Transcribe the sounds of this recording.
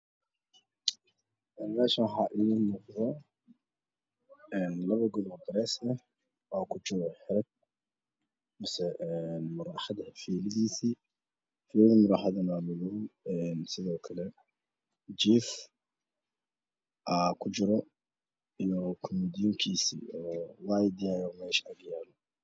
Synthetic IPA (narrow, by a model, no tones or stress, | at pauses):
ʔɛːnmɛːʃaħɑʔɪnɔːqðɔ | ɛːnlɐβɐɡɔðb̪ɾɛsɛ | waːkʰʊd͡ʒɪɾɔħɪɾɛɡ̚ | mɐsɛʔɛnmʊɾɑːħɑðɐfiːlɪðiːsi | fiːllɐmʊɾɑːħɑðɐnaːlʊɣɔɛːnsɪðɔːkʰɐlɛ | d͡ʒiːf | ʔaːkʰʊt͡ʃɪɾɔ | ijɔkʰɔmɛːd̪ijʊŋkʰiːsḭːɔːwajd̪ijajɔmɛːʃɐɡjaːlɔ